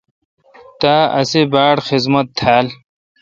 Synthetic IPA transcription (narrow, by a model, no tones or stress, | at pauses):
t̪aːɐ̰sebaːɽxizmɐt̪ʰːaːl